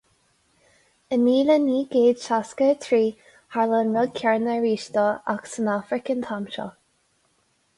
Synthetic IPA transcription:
əniːləniːɡeːd̪ʃaskət̪ʰɹiː | haɹlənɹɛl̚kʲʰɛɹnəɹiːʃt̪ɔa̰ksənafɾəkənt̪ʰamʃɔ̰

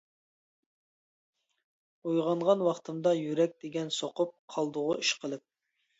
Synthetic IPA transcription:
ojʁɑɴʁɑnwɑχt̪ʰɨmd̪ɑjyɾɛk̚ʲd̪̥eɡʲɛnsoqʊp̚qʰɑlˠd̪ʊʁʊiʃqʰəlˠɨp̚

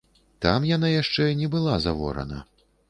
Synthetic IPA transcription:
t̪amjanajaʂt͡ʂɛinʲɛbɨlˠazavɔ̰ɾɐ̰nɐ̰

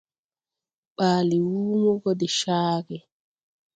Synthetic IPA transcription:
ɓaːliwuːmɔɡɔdɛʃaːɡɛ

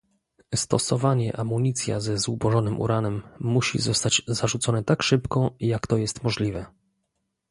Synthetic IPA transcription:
st̪ɔsɔvaɲɛʔamuɲit̪sʲja̰zɛzubɔʐɔnɘmʔṵɾanɛmːuɕḭzɔst̪ad͡ʑzaʐut̪sɔnɛt̪akʂɘpkɔjakt̪ɔjɛst̪mɔʐlʲivɛ

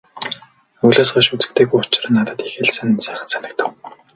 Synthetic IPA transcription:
uɮoːsɢaʃut͡sɘ̆k̚t̪ʰeːɣujʊt͡ɕ̆rə̆nːat̪ə̆t̪ixĕɮsɘ̆nsæːχə̆nsanɪ̆k̚t̪ʰə̆w

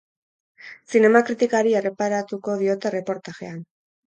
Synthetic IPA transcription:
sine̞makɾit̪ikaɾie̞re̞paɾat̪uko̞ðio̞t̪e̞re̞po̞ɾt̪axe̞̰an

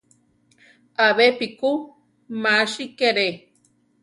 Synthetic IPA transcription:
aβepiku | maʃikeɾe

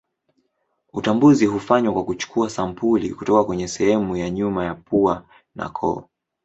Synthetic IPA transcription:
utambuziɦufaɲwakwakut͡ʃu̥kʰuasampulḭkutɔkakwɛɲɛsɛhɛmujaɲumajapua | na̰kʰɔ̰

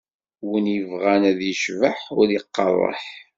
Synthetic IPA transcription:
wənjəvʁænæðjəʃvəħʊɾjəqːɑ̰rˤɑ̰ħ

